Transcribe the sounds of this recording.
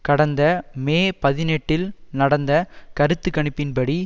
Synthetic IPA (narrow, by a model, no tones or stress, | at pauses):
kɐɽɐnd̪ɐmeːpɐðɪnɛʈːɪlnɐɽɐnd̪ɐkɐɾɯt̪ːɯkːɐɳɪpːɪnpɐɽi